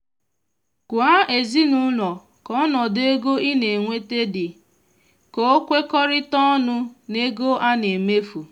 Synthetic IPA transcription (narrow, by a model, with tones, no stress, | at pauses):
kʊ˨a˦e˨zi˦nʊ˦lɔ˨ | kɔ˦nɔ˨de˦ɡo˦ʔi˦ne˨ŋʷe˦te˦dɪ˨ | ko˦kʷe˦kɔ˦ɾɪ˦tɔ˦nʊ˦ne˦ɡo˦ʔa˦ne˨me˦fu˨